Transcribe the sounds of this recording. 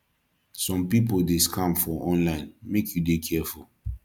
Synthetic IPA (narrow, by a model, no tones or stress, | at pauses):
sɔ̃mpipoldeskʰãmfɔʔɔ̃nlãɪ̃nmekʰjudekʰɛful